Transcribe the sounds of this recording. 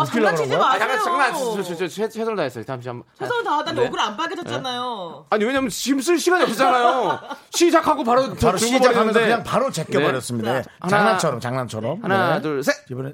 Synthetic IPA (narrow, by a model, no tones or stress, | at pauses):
iɡɯɾɯɡjaŋat͡ɕaŋnat͡ɕit͡ɕ͈ʌeɕʰesʰʌmtaes͈ʌjtamɕ̬͈ʰiesʰtadaoɡɯɾanpaɡed͡ʑʌt͡ɕ͈anajoaɲiwe̞ɲamjʌnɕims̬͈ʰɯɭɕʰiɡaɲiʌk͈ɯt͡ɕ͈anajoɕʰid͡ʑakʰaɡopaɾot͡ɕɾt͡ɕɯɭɡobʌaeamːnndekɯɲaŋpaɾot͡ɕekn͈eebʌɾjʌs͈ɯmɲidaanaŋnat͡ɕʰʌɾʌmt͡ɕaŋnant͡ɕʰʌɾʌmhanadɯɭsʰebne